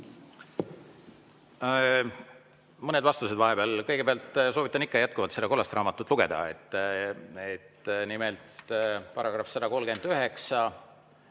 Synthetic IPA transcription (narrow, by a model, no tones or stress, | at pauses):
mɤne̞d̪vɑst̪use̞d̪vɑɦe̞beɑlkɤjɡ̥e̞beɑlt̪ːˑsovit̪ːˑɑnikːɑjæt̪̚kuvɑt̪se̞d̪ɑko̞lːɑst̪rɑːmɑt̪ːˑut̪luɡ̥e̞d̪̥ɑ̰et̪ːˑ | et̪nimelt̪pɑɾɑɡ̥rɑfsɑd̪ɑko̞lɡe̞nd̪yɦe̞ksɑ